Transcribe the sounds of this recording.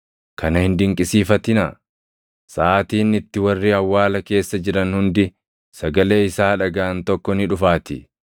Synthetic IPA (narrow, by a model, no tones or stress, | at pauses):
kʰɐnɐhɪnd̪ɪŋkʼɪsiːfɐt̪ɪnɐ | saːt̪iːnɪt̪ːɪwɐrːiɐwːaːlɐke̞ːsːɐd͡ʒɪɾɐnhʊnd̪ɪ | sɐɡɐle̞ːɪsaːᶑɐɡaːɐnt̪ɔkːɔnɪᶑʊfaːt̪ɪ